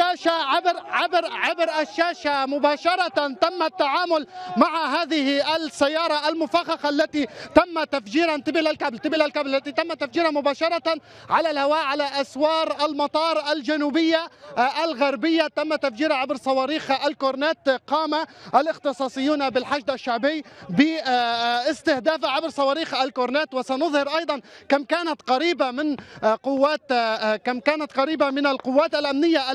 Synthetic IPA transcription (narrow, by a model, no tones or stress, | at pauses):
aːʃaʕɪbɾʕɪbɾʕɪbɾʔaʃːaːʃamʊbaːʃɑɾˤɑt̪amːat̪ːaʕaːmʊlmaʕaɦaːðɪhʔasajːɑːɾˤɑʔalmʊfaxɑxaʔalːat̪it̪amːat̪afd͡ʒiːɾant̪ɪbɪlalkablt̪ɪbɪlalkablalːat̪it̪amːat̪afd͡ʒiːɾhamʊbaːʃɑɾˤɑ | ʕalalhawaːʔʕalaʔaswɑːɾʔalmɑt̪ˤɑːɾˤʔald͡ʒanuːbɪjːaʔalɣaɾbɪjːat̪amːat̪ːafd͡ʒiːɾaʕabɾsˤɑwɑːɾiːxʔalkʊɾneːt̪qɑːmaʔalʔɪxt̪ɨsˤɑːsˤɨjːuːnabɪlħaʒd̪aʃːaʕbɪjːbɪ | ɪst̪ɪhd̪aːfaʕabɾsˤɑwɑːɾiːxalkʊɾneːt̪wɪsanʊðˤhɪɾʔɑjd̪ˤɑnkamkaːnat̪qɑɾiːbamɪnqʊwːaːt̪kamkaːnat̪qɑɾiːbamɪnalqʊwːaːt̪alʔamnɪjːaʔ